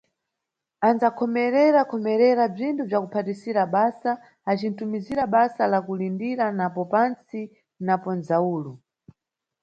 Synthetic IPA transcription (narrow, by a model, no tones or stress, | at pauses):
anzakʰɔmɛɾɛɾakʰɔmɛɾɛɾab͡ʐintʰub͡ʐakupʰatisiɾaɓasaː | t͡ʃintumiziɾaɓasalakulindiɾanapɔpant͡si | napɔnzauːlu